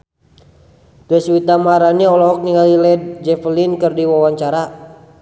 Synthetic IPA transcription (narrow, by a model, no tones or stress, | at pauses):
t̪ɛswit̪amaɾaniɔlɔɦɔk̚niŋalilɛd̚d͡ʒɛflinkɨrdiwawaɲt͡ʃaɾa